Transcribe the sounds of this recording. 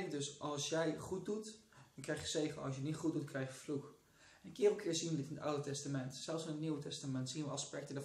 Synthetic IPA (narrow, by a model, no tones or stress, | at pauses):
ɪŋdøsʔɑlˠsjɛjχut̚dutɔnkrɛjχjəseːχəɑ̰lˠs̬jənɪtχut̚dutkʰrɛjχjəfluk | ɛnkɪːrəkʰɪːsinlɪtɪnəta̰wdətɛstamɛntsɛlˠfsɪnətniwətɛstamɛntsinʋəɑspɛk̚tədə